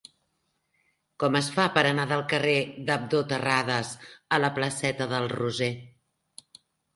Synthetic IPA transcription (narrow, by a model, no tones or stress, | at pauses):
kɔməsfapəɾənaðəlˠkəreðəb̚d̪ot̪ərað̞əzələpləsɛt̪əðəlˠruze